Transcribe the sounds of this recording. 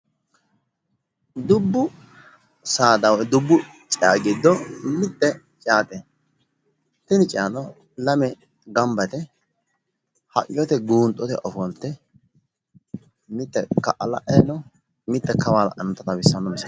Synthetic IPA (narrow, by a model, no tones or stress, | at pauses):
d̪ʊbːʊ | saːd̪ɐwɔd̪ʊbːʊ | t͡ʃʼɪa̰ɡɪd̪ːɔmɪt̪ʼːɛ | t͡ʃʼaːt̪ʼɛ | t̪ɪnɪt͡ʃʼɪjanɔ | lɐmɛ | ɡɐmbɐt̪ɛ | hɐ̰ʔʼɪjɔt̪ɛɡuːnt̪ʼɔt̪ɛ̰ʔɔfɔnt̪ːɛ | mɪt̪ːɛkɐ̰ʔɐlɐ̰ʔɛnɔ | mɪt̪ːɛkɐwalɐ̰ʔɐnɐt̪ːɐt̪ɐbɪsːɐnːɔmɪsɐ